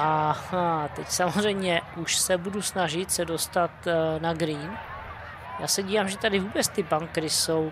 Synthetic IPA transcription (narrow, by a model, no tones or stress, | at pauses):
ʔahat̪ɛcsamozr̝ɛjmɲɛʔuʃsɛbudusnaʒɪt̪sɛdo̞st̪at̪naɡɾiːn | jaːsɛɟiːvaːmʒɛt̪adɪvuːbɛt͡st̪ɪbaŋkɾɪsow